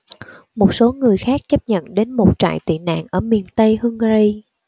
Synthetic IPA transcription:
mo˨˩t̚so˨˦ŋɨ˨˩əjxaː˦˥k̚t͡ɕə˦˥p̚ɲə̰˧˨nɗe˨˦nmo˨˩t̚t͡ɕa̰ː˧˨jt̪ḭ˧˨na̰ː˧˨nʔəː˧˩mi˨˩ənt̪ə˧jhɨ˧ŋ˧ɾi˧

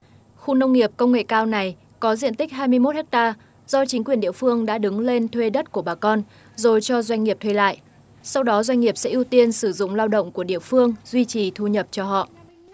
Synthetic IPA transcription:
xu˧nə˧wŋ͡mŋi˨˩əp̚kə˧wŋ͡mŋḛ˧˨kaː˧wna˨˩j | kɔ˨˦zḭ˧ənt̪i˦˥k̚ɦaː˧jmɨ˧əjmo˦˥t̚hɛ˦˥k̚t̪aː˧ | zɔ˧t͡ɕï˨˦ŋ̟kwi˨˩ənɗḭ˧˨əfɨ˧əŋɗa̰ː˧˥ɗɨ˨˦ŋle˧nt̪ʰwe˧ɗə˦˥t̚ku˧˩əɓaː˨˩kɔ˧n | zo˨˩jt͡ɕɔ˧zwa˧jŋ̟ŋi˨˩əp̚t̪ʰwe˧jla̰ː˧˨jʔ | sa˧wɗɔ˨˦zwa˧jŋ̟ŋi˨˩əp̚sɛ̰˧˥ʔi˧wt̪i˧ənsɨ˧˩zʊ̰˧˨ŋ͡mlaː˧wɗə̰˧˨wŋ͡mku˧˩əɗḭ˧˨əfɨ˧əŋzwi˧t͡ɕi˨˩t̪ʰu˧ɲə˨˩p̚t͡ɕɔ˧ɦɔ̰˧˨ʔ

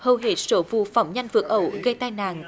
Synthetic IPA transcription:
həː˨˩wɦe˨˩t̚soː˧˨˦vṵ˧˨fa˨˩˦wŋ͡mɲa˧jŋ̟vɨ˨˩ək̚ʔə˧˩˦wɣə˧jt̪aː˧jna̰ː˧˨ŋ

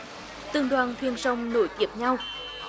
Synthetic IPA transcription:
t̪ɨ˧˩ŋɗwaː˨˩nt̪ʰwi˧ənsə˧wŋ͡mno˧˦jt̪i˧˩əp̚ɲa˧w

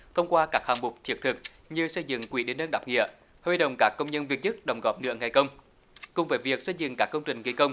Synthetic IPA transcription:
t̪ʰə˧wŋ͡mkwaː˧kaː˦˥k̚haː˨˩ŋmʊ˨˩k͡p̚t̪ʰḭ˨˦ək̚t̪ʰɨ˨˩k̚ | ɲɨ˧sə˧jzɨ̰˧˨ŋkwi˨˦ɗe˨˦nːə˧nɗaː˨˩p̚ŋḭ˧˨ə | hi˧ɗə̰˧˨wŋ͡mkaː˦˥kːə˧wŋ͡mɲə˧nvi˨˩ət̚ɲɨ˦˥k̚ɗə˨˩wŋ͡mɣɔ˨˩p̚nɨ̰˧˥əŋa˨˩jkə˧wŋ͡m | kʊ˨˩ŋ͡mveː˨˩vi˨˩ək̚sə˧jzɨ̰˧˨ŋkaː˦˥kːə˧wŋ͡mt͡ɕï˨˩ŋ̟ɣi˨˧˩kə˧wŋ͡m

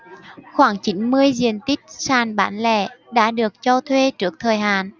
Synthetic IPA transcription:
xwaː˧˩ŋt͡ɕi˨˦nmɨ˧əjzi˨˩ənt̪i˦˥t̚saː˨˩nɓaː˧˩nlɛ̰˧˩ɗa̰ː˧˥ɗɨ˨˩ək̚t͡ɕɔ˧t̪ʰwe˧t͡ɕɨ˦˥ək̚t̪ʰəː˨˩jɦaː˨n

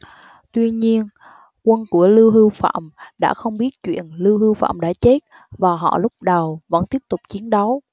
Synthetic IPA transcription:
t̪wi˧ɲi˧ən | kwə˧nku˧˩əlɨ˧wɦɨ˧wfa̰ː˧˨mɗa̰ː˧˥xə˧wŋ͡mɓi˦˥ət̚t͡ɕwḭ˧˨ənlɨ˧wɦɨ˧wfa̰ː˧˨mɗa̰ː˧˥t͡ɕe˦˥t̚ | vaː˨˩ɦɔ̰˧˨lʊ˦˥k͡p̚ɗə˨˩wvə̰˧˥nt̪i˦˥əp̚t̪ʊ˨˩k͡p̚t͡ɕi˨˦ənɗə˨˦w

